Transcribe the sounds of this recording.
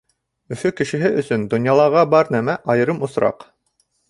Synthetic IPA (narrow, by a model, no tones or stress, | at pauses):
ɵ̆fɵkɘ̆ʃɘ̆ɦɘʔɵ̆sɵnd̪ŏnjɑlˠɑʁɑbɑɾnæmæʔɑjɤ̆ɾɤmŏsɾɑ̰q